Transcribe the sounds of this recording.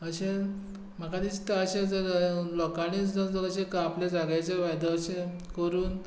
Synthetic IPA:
əɕẽ | m̤əkad̪ist̪aəɕẽd͡zəɾlɔkaɽ̃it͡sd͡zəɾd͡zəɾəɕẽkaːplad͡zaɡajt͡seʋajd̪əɕẽ | kəɾuːn

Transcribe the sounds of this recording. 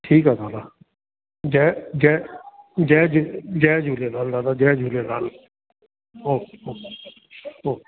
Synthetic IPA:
ʈʰiːkaːd̪aːd̪aː | d͡ʒɛːd͡ʒɛ | d͡ʒɛːd͡ʒd͡ʒɛːd͡ʒuːleːnaːld̪aːd̪aːd͡ʒɛːd͡ʒʱuːleːna̰ːl | ɦoːɦoː | ɦoː

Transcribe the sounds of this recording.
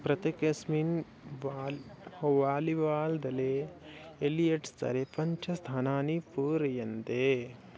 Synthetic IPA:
pɾɐt̪ekɐsminː | ʋaːliʋaːld̪ɐleː | lijeʈst̪ɐ̰ɾepɐɲt͡ʃʰɐst̪ʰaːnaːnipuːɾɐjɐnt̪e

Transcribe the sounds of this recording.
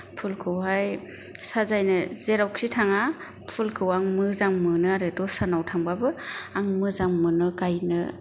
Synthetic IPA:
pʰulkʰɯwɦaj | sazajnɯzeɾawksitʰaŋa | pʰulkʰɯwaŋmɯzaŋmɯnɯaɾɯdɔsanawtʰaŋbabɯaŋmɯzaŋmɯnɯkajnɯ

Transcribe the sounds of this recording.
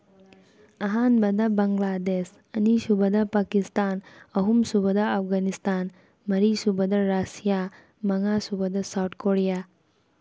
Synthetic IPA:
ɐɦaːnbɐd̪ɐbɐŋɡlaːd̪eːs | ɐniʃubɐd̪ɐpaːkist̪aːnɐɦumsubɐd̪ɐɐfɡaːnist̪aːn | mɐɾisubɐd̪ɐɾaːsijaː | mɐŋaːsubɐd̪ɐsɐwt̪̚ʰkoːɽijaː

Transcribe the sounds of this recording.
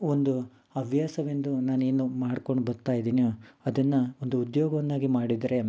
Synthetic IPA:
ond̪u | ɐbʱjaːsɐʋend̪unaːne̞ːnumaːɽko̞ɳɖbɐɾt̪aːjid̪iːnijoɐd̪ɐnːɐond̪uud̪joːɡɐʋɐnːaːɡimaːɽid̪ɾe̞

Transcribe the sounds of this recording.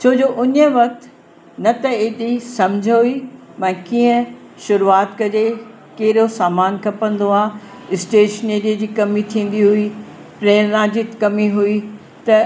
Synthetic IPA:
t͡ɕʰoːd͡ʑoːʔʊɲə̆ʋɐk̚t̪ | nɐt̪ɐɪɗisɐ̃md͡ʑʱəɦʊimɛ̃ːkiːə̃ | ʃʊɾuaːt̪kɐd͡ʑe | keːɪɾosaːmaːnkʰɐpə̃nd̪oaː | ɪsʈeːʃneːɾiəd͡ʑiːkɐmit̪ʰĩːn̆d̪iɦʊi | pɾeːnãːd͡ʑit̪kɐmiɦui | t̪ɐ

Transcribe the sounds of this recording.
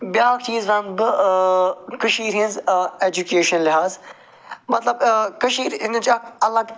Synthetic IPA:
bjaːkt͡ʃiːzʋɐnbɨ | kɐʃiːɾɦĩnzeːd͡ʒukeːʃɐnlɪɦaːz | mɐt̪lɐbkɐʃiːɾɪnd͡ʒaɐlːaː

